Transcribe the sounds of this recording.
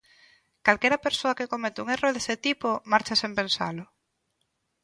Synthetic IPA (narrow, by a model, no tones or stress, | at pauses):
kalkeɾɐpeɾsoakekomet̪uŋeroðeset̪ipomaɾt͡ʃasempensa̰lʊ